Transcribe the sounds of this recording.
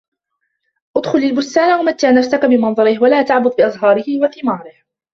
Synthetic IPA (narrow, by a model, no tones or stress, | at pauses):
ʔʊd̪xʊlalbʊst̪aːnawamat̪ːaːnafsakabɪmɑnðˤɑɾɪhwalaːt̪aʕbʊd̪ˤbɪʔɑzˤɦɑːɾɪhɪwaθɪmɑːɾˤɪh